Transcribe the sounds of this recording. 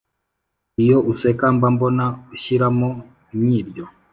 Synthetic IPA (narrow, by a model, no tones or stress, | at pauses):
ijoʔusekambambonauʃiɾamo | ɲɲiːɾɟo